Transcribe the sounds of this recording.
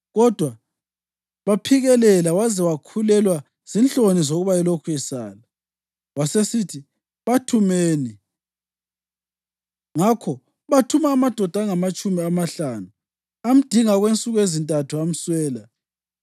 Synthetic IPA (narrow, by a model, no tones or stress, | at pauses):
ɣɔd̥ʱwa | βapʰiɣɛlɛlawazɛwakʰulɛlwa | z̥inɬonizoɣuβaɛlokʰujɛsa̰ːla | wasesitʰi | βatʰumeni | ŋakʰɔ | βatʰumaːmad̥ʱɔd̥ʱaŋamat͡ʃʼumiamaɬanu | am̩d̥ʱiŋaɣwent͡sʼuɣezintʼatʰuam̩swɛːla